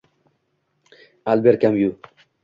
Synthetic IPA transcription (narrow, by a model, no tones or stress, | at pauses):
albeɾkamju